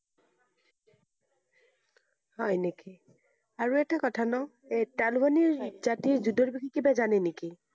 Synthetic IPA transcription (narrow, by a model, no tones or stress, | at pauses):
hɔjneki | aɹuɛtakɔtʰanɔ | ɛtalubaniɹzatiɹzudɔɹbikʰikibazanɛneki